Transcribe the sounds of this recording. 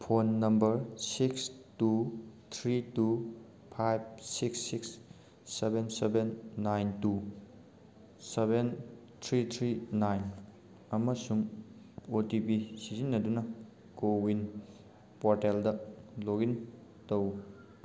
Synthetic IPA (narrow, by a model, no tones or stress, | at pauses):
pʰonːɐmbɐɾsikstut̪ʰɾitu | pʰajb̚siksːiksː | ebensebenːajntu | seben | t̪ʰɾit̪ʰɾinajn | ɐmɐsuŋ | otipisizinːɐdunɐ | kowin | poɾteldɐloɡintow